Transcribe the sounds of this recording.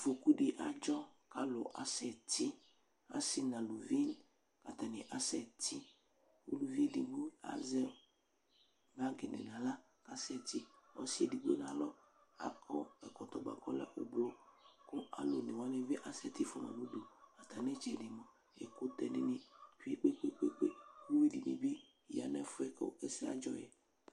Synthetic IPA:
fo˨ku˦di˨ʔa˨d͡ʒɔ˦ka˦lo˨ʔa˨sɛ˨ti˦ | a̰˦si˦nã˨lu˨vi˦n | ka˨t̪a˨nɪ˨ʔa˦sɛ˨tʰi˦ | o̰˦lu˨vi˦di˨nũ˦a̰˦zɛ˦ | ba˦ɡɪ˨nɪ̰˨nã˨la˦ | ka˦sɛ˦˨ti˦ɔ̰˨si˦e˨di˨ɡ͡bḛ˦na˨lɔ˦ | a̰˨kʰɔ˦ɛ˨kɔ˨t̪ɔ˨ɡ͡ba̰˨kɔ˦lɛ̰˦ʔo˨blo˦ko˦a̰˨lo˨nẽ˨wa˦ne˦ve˦ʔa˨sɛ˦t̪i˦fɔ˦mã̰˨nu˦do˨a˨t̪a˨nɛ˦t͡ʃɛ˨di˨mɔ̃˨ | ḛ˨kʊ˦t̪ɛ˨ni˦nĩ˦fi˦e˦k͡pe˦k͡pe˦k͡pe˦k͡pḛ˦wu˦wi˦di˨mḭ̃˨be˦˨ | ja˨nɛ˦fʊ˦ɛ˦ke˦e˦si˦a̰˦d͡ʒɔ˦jɛ˨

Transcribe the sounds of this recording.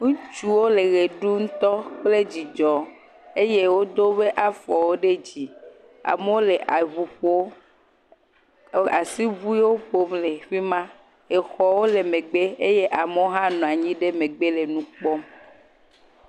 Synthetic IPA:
ŋũ˦t͡ʃu˦wo˦le˨ɣe˨ɖu˦ŋũ˦t̪ɔ˦k͡ple˦d͡ʑi˨d͡ʒɔ˨ | e˦je˦wo˦d̪o˦βe˦ʔa˦fɔ˨wo˦ɖe˦d͡ʑi˨ | a̰˨me˦wo˦le˨ʔa˨βu˨ɸo˦ | a˨si˦βu˦i˦wo˦ɸo˦mle˨ɸi˦mã˦ | e˨xɔ˨wo˦le˨mẽ˨ɡ͡be˦e˦je˦ʔa˨me˦wo˦ɦã˦nɔ̃˨a˨ɲĩ˦ɖe˦me˨ɡ͡be˦le˨nũ˦k͡pɔ˦m

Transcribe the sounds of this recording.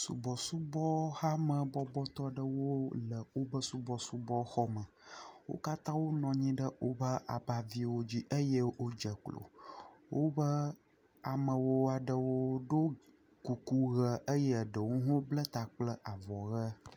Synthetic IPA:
sṵ˨bɔ˨su˦bɔ˦ha˦mə̃˨bɔ˦bɔ˦t̪ɔ˦ɖə˦wo˦lə˨wo˦bə˦su˦bɔ˨su˦bɔ˦xɔ˦mə˨wo̰˦ka˦t̪ã˦wo˦nɔ̃˨ɲĩ˦ɖə˦wo˦bə˦a˨ba˨vi˦wo˦d͡ʑi˦ʔə˦jə˦wo˦d͡ʒə˨klo̰˨wo˦bə˦ | a˨mə̃˨wo˦a˨ɖə˨wo˦ɖo˦ | ku˨ku˦ɣə˨ʔə˦jɛ˦˨ɖə˨wũ˦ɦo˦blə˦t̪a˨k͡plə˦ʔa˨vɔ˨ɣə˦

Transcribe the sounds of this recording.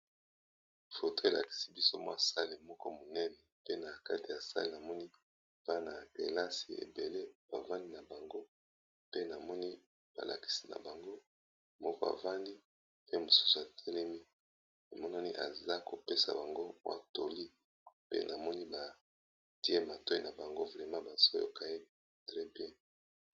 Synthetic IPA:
fo˨to˦e˨la̰˨ki̥˨si˦bi˦so˦mwɔ̰˦˨sa˦li˨mɔ˦kɔ˦mo˨nɛ˦nɛ˨pe˦na˨ka˦ti˨ja˨sa̰˦le˨na˨mɔ˦ni˦ | v̥a˦na˨ke˨la˦si˨ḛ˨be˨le˦b̥a˨va˦ndi˦na˨ba˨ŋɡo˦ | pe˦na˨mɔ˦ni˦ | b̥a̰˨la̰˨ki̥˨si˦na̰˨ba˨ŋɡo˦ | mɔ˦ka̰˨va˦ndi˦ | pe˦mo˨su̥˦su˨a˨tʰɛ˦lɛ˦mi˦ | a˨mɔ˦na˦ni˦ʔa̰˨za˦ko˨pe˦sa̰˨ba˨ŋɡo˦a̰˨to˨li˦ | pḛ˦nʔa˨mɔ˦ni˦ba˨ | ti˦e˦ma˨to˦i˦na˨ba˨ŋɡo˦vʁɛ˨mã˦ba˨so̰˦jo̰˨ka˦e˦ | tʁɛ˦bjɛ˦

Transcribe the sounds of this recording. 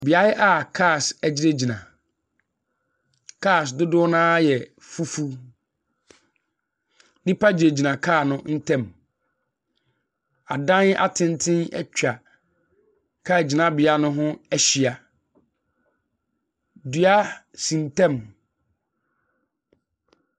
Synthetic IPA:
bɪ˨a˦jɛ˦ʔa˦kʰa˦˨sæ˨d͡ʑi˦ɾe˦d͡ʑi˨nã˨ | kʰaː˦˨sdʊ˦dʊ˦ɔ˦nãː˦jɛ˨ | fu˦fu˦ | nĩ˦pʰa˦d͡ʑi˨e˨d͡ʑi˨nã˨kʰaː˦˨nʊ̃˦n̩˦tʰɛ̃˦˨m | a˨dã˦na̰˦˨tʰɪ̃˦n˦tʰɪ̃˦nɛ̰˦t͡ɕʰᶣa˨ | kʰaː˦˨d͡ʑi˨nã˨˦bɪ˨a˦nʊ̃˦ɦʊ̃˦æ˦ɕi˨a˨ | dɥa˦ | sĩ˨n˨tʰɛ̃˦˨m

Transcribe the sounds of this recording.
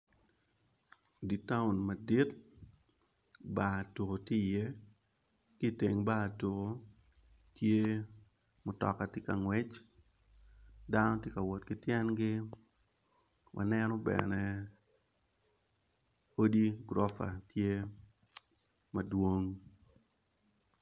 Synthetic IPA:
di˨ta˦ʊ˨nma˨di˦t̚ | ba˨to˨ko˨ti˦je˦ | ki˦˨te˨ŋba˦˨to˨ko˨ | tje˦ | mʊ˨tɔ̰˨ka˨tɪ˦ka˨ŋwɛ˦t͡ʃ | da˦nɔ˦tje˦ka˨wɔ˨tkɪ˦tjɛ˦nɡɪ˦ | wʔa̰˨nɛnɔ˦bɛ̰nɛ˦ | o˦di˦ɡɾɔ˦fa̰˨tje˦ | ma˨dwo˦ŋ

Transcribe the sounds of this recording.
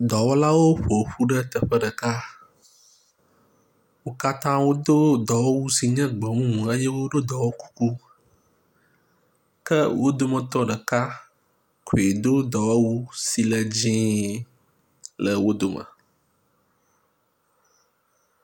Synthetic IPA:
d̪ɔ˨wɔ˦la˦wo˦ɸo˨ɸu˦ɖə˦t̪ə˨ɸə˦ɖə˨ka˦ | wo˦ka˦t̪ã˦wo˦d̪o˦d̪ɔ˨wɔ˦wu˦si˨ɲɛ̃˦ɡ͡bɔ˨mũ˦mũ˨ə˦jɛ˦wo˦ɖo˦d̪ɔ˨wɔ˦ku̥˦ku˦ | kə˦wʔo˦d̪o˦mə̃˨t̪ɔ˦ɖə˨ka˦ | kʰo˨e˨d̪o˦d̪ɔ˨wɔ˦wu˦si˨lə˨d͡ʑĩ˦ | lə˨wo˦d̪o˨mə̰˨

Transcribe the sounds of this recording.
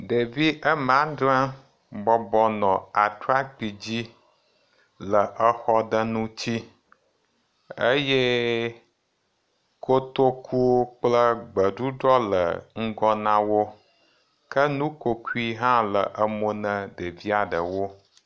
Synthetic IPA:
ɖe˨vi˦ʔə˦mã˨˦ɖã˦ | bɔ˦bɔ˦nɔ̃˨a˨tɾa˦k͡pi˨d͡ʑi˦ | lə˨ʔə˦xɔ˦d̪ə˦nũ˦t͡ɕi˦ | ə˦je˦ | ko˦t̪o˦ku˦wo˦k͡plə˦ɡ͡bə˨ɖu˦ɖɾɔ˦lə̰˨ŋ̩˦ɡɔ˦nã˦wo˦ | kʰə˦nũ˦ko˦ku˦i˦ɦã˦lə˨ʔə˦mo˦nə̃˦ɖe˨vi˦a˨ɖə˨wo˦

